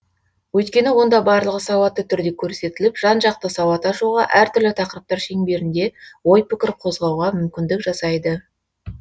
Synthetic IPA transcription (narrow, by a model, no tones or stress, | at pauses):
wɵjt̪kʲe̞nɪwo̞nd̪ɑbɑɾlˠəʁəsɑwɑt̪ːət̪ʰʏɾd̪e̞kʲʰɵɾse̞t̪ɪlɪpʒ̥ɑnʒɑq̚t̪əsɑwɑt̪ɑʒuʁɑʔæɾt̪ʰʏɾlɪt̪ʰɑqəɾəp̚t̪ɑɾʃe̞ŋbe̞ɾɪnd̪e̞wo̞jpɪkʲɪɾqʰo̞zʁɑwʁɑmʏmkʲɪnd̪ɪkʒɑsɑjd̪ə